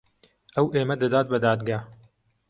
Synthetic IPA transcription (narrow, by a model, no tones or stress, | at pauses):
ʔɐwʔeːmɐd̪ɐd̪aːt̪̚bɐd̪aːd̪ɡaː